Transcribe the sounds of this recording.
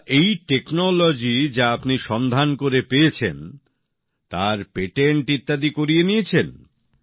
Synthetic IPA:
ejʈeknolod͡ʑid͡ʑaapniʃɔnd̪ʱankoɾepeet͡ɕʰen | t̪aɾpeʈeɳʈit̪ːad̪ikoɾijenijet͡ɕʰen

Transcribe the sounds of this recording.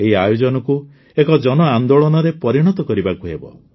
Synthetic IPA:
eɦiajod͡ʒɔnɔku | ekɔd͡ʒɔnɔand̪oɭɔnɔɾepɔɾiɽ̃ɔt̪ɔkɔɾibakuɦebɔ̰

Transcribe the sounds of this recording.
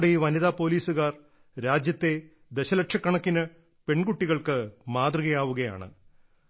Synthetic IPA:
ɽejiʋɐniðaːpo̞ːliːsuɣaːr | ɾaːd͡ʑjɐt̪ːe̞ | d̪eɕɐlɐkʂɐkːɐɳɐkːinɨ | pe̞ɳkuʈːiɣɐɭkɨmaːt̪rɨɣɐjaːʋuɣɐja̰ːɳɨ̰

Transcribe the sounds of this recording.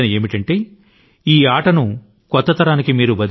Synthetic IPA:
ɐnie̞ːmiʈɐɳʈe̞ː | iːaːʈɐnu | kɔt̪ːɐt̪ɐɾaːnikimiːɾubɐd̪

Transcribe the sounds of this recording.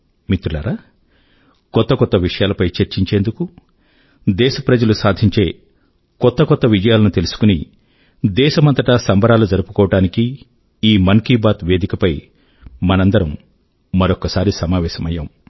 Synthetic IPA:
mit̪ɾulaːɾaː | kɔt̪ːɐkɔt̪ːɐʋiʂɐjaːlɐpɐjt͡ʃeɾt͡ʃiɲt͡ʃeːnd̪uku | d̪ɛːʃɐpɾɐd͡ʒɐlusaːd̪ʱiɲt͡ʃe̞ː | kɔt̪ːɐkɔt̪ːɐʋid͡ʒɐjaːlɐnut̪elusu̥kuni | d̪ɛːʃɐmɐnt̪ɐʈasɐmbɐɾaːlud͡ʒɐɾupu̥kɔːʋɐʈaːniki | iːmɐŋkiːbaːt̪ʋeːd̪ikɐpɐj | mɐnɐnd̪ɐɾɐmː | ɐɾokːɐsaːɾisɐmaːʋɛːʃɐmɐjːaːm

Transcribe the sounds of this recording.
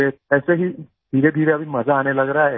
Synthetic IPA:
eəseɦiː | d̪ʱiɾed̪ʱiɾeaʋiməd͡zʱaːneləɡɾaaɦe

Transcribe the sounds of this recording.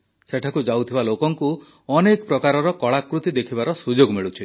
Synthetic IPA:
seʈʰakud͡ʒawt̪ʰibalokɔŋku | ɔnekɔpɾɔkaɾɔɾɔkɔɭakɾut̪id̪ekʰibaɾɔsud͡ʒoɡmiɭut͡ʃʰi

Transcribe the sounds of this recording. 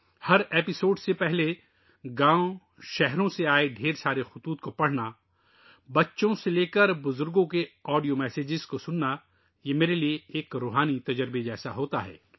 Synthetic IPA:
hɐɾeːpɪsoːɖsepɛɦle | ɡãːõ | ʃɛɦɾõseaːeɖʱeːɾsaːɾexʊt̪uːt̪̚kopɐɽ̤na | bɐtːʃõseleːkəɾbʊzʊɾɡõkeɔːɖijomɛːseːd͡ʒɪzkosʊnːa | jeːmeːɾelieeːkɾoːɦaːnit̪ɐd͡ʒəɾbed͡ʒɛːsaɦoːt̪aɦɛ̰ː

